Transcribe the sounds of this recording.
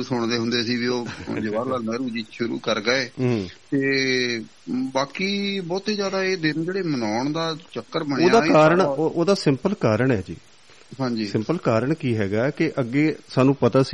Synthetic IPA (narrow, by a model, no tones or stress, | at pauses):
sʊɳd̪eːɦʊnd̪eːsiːʋiːoːd͡ʒəʋaːɾlaːmɛːɾuːd͡ʒiːʃʊɾṵːkəɾɡəɛ̃ːt̪eː | baːkiːbɔːt̪ɦiːzjaːd̪aːeːd̪ɪnd͡ʒeːɽeːmənaːɳd̪aːt͡ʃəkːəɾmənoːad̪aːkaːɾəɳʔoːd̪aːsɪmpəlkaːɾəɳɛ̰ːd͡ʒḭː | ɦãːɲd͡ʒiːsɪmpəlkaːɾəɳkiːɦɛːɡaːkɪʔəɡːeːsaːnũːpət̪aːsi